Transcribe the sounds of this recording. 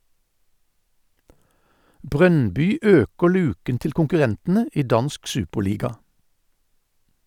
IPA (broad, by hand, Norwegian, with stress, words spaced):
ˈbʁœnbʏ ˈøːkəʁ ˈlʉːkən ˈtɪl kʊŋkʉˈʁɛntn̩ə ˈiː ˈdɑnsk ˈsʉːpəʁˌliːɡɑ